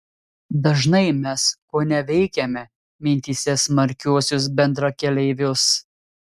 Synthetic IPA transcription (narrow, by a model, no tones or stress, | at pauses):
d̪ɐʒnɐɪmʲɛskoːnʲɛʋʲɛɪkʲɛmʲɛ | mʲɪnʲt̪ʲiːsʲɛsmɐɾʲkʲuɔsʲʊs̬bʲɛnd̪ɾɐkʲɛlʲɛɪʋʲʊs